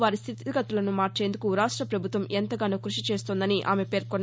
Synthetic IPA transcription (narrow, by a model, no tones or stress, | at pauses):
ʋaːɾist̪ʰit̪iɡɐt̪ːulɐnumaːʈt͡ʃe̞ːnd̪ukuɾaːʂʈɾɐpɾɐbʱut̪ʋɐmʔent̪ɐɡaːnukɾuʂit͡ʃeːst̪ond̪ɐniʔa̰ːme̞pe̞ːɾkɔnː